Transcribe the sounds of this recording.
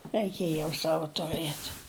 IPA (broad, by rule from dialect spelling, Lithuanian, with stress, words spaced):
rɐɪˈkʲeːj jɛʊ ˈsɑːʋɐ tʊˈrɘt